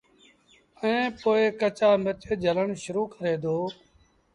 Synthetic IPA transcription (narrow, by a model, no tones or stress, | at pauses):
əẽːpoːeːkət͡ʃaːmət͡ʃeːd͡ʒʱələɳʃʊɾuːkəɾeːd̪oː